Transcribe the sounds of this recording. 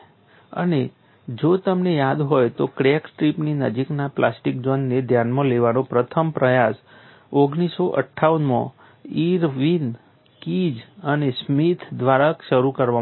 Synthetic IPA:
ə̰ne | d͡ʒot̪əmnejad̪ɦojt̪okɾeksʈɾipninəd͡ʒiknaplasʈik̚d͡ʒʋənːed̪ʱjanmãleʋanopɾət̪ʰəmpɾəjas | oɡnisoʔə̰ʈʰːaʋənmã̰ | iɾʋin | kid͡ʒənesmit̪ʰd̪ʋaɾəkʃəɾukəɾʋa

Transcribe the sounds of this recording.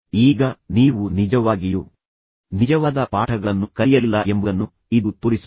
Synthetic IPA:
iːɡɐniːʋunid͡ʒɐʋaːɡiju | nid͡ʒɐʋaːd̪ɐpaːʈʰɐɡɐɭɐnːukɐjɐlːɐʔembuɐnːu | id̪ut̪uɾis

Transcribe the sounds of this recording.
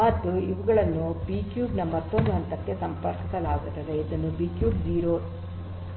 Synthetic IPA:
mɐt̪ːuiʋuɡɐɭɐnːupiːkjuːɖnɐmːɐt̪ːond̪uɐnt̪ɐk̪ːesɐmpɐɾkɐsɐlaːɡut̪ːɐd̪eid̪ɐnːubiːkjuːɖd͡ʒiːɾoː

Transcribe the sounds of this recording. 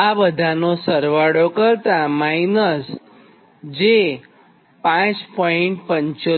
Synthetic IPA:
abəd̪ʱanosəɾʋaɽokəɾt̪amainəs | d͡ʒe | pãt͡ʃpɔiɳʈ̚pəɲt͡ʃo

